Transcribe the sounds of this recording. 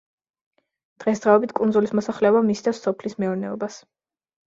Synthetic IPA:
d̪̥ʁɛsd̪ʁaɔbit̪ʰkʼunzulismɔsaχlɛɔbamist̪ɛfsːɔpʰlismɛuɾnɛɔbas

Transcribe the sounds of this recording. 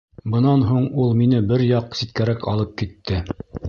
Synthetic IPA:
bɤ̆nɑnɦuɴulˠminɘbɘɾjɑqsit̪̚kæɾækɑ̰lˠɤp̚kit̪ʰːɘ

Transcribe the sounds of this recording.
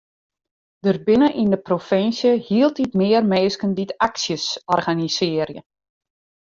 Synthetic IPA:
d̥ərbɪnəʔindəprofɪnsjəhiəlˠtitmɪərmeːskənditaksjəsɔrɣanisɪərjə̰

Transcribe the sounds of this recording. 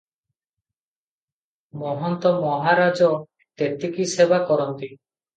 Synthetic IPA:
mɔɦɔnt̪ɔmɔɦaɾad͡ʒɔ | t̪et̪ikisebakɔɾɔnt̪i

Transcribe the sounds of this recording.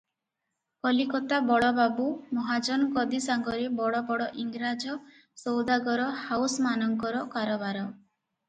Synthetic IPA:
kɔlikɔt̪abɔɽɔbabumɔɦad͡ʒɔnɡɔd̪isaŋɡɔɾebɔɽɔbɔɽɔʔiŋɡɾad͡ʒɔ | sowd̪aɡɔɾɔhawsmanɔŋkɔɾɔkaɾɔbaɾɔ

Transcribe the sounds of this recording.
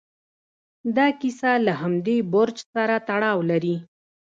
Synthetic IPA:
d̪ɑkisalaɦamd̪eboɾt͡ʃsaɾat̪aɽɑwlaɾi

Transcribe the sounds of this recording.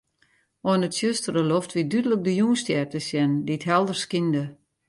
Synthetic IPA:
ɔnətsjøstərəloftʋidydələk̚dəjuŋstjɛrtəsjɛnditɦɛlˠdərskində

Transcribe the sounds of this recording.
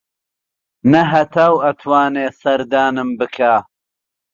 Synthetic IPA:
nɐɦɐt̪ʰaːwɐt̪ʰwaːneːsɐɾd̪aːnɨmbɨkʰaː

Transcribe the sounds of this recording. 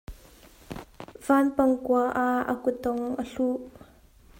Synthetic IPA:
v̥anpɐŋkuaʔaə̰kut̪ːɔŋʔəɬuʔ

